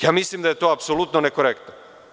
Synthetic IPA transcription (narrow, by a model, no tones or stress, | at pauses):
jaːmislimd̪ajet̪oːapsolut̪nonekoɾekt̪no